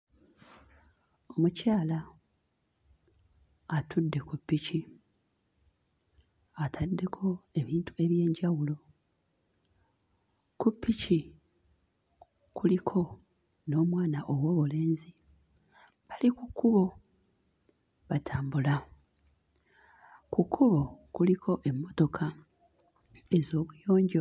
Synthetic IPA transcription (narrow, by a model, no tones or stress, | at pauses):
o̞mucaːla | atʰudːe̞kupːici | atʰadːe̞kʰo̞e̞βiːntu̥e̞βje̞ːɲɟawulo̞ | kupːici | kulikʰo̞ | no̞ːmwaːnaʔo̞wo̞ːβule̞ːnzi | βalikukːuβo̞ | βatʰaːmbula | kukʰːuβo̞kulikʰo̞ʔe̞mːo̞to̞kʰa | ezo̞ːβwujo̞ːɲɟe